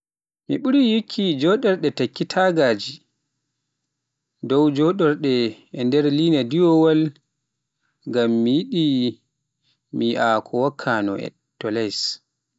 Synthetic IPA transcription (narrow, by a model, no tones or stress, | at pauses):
miɓuɾijikʰːid͡ʒɔɗɔɾɗɛtakːitʰaɡaːd͡ʒi | dɔwd͡ʒɔɗɔɾɗɛɛndɛɾliːnadiwɔwal | ŋɡamːijiɗi | miʔakʰɔwakʰːanɔ̰ɛ̰ | tːɔlɛs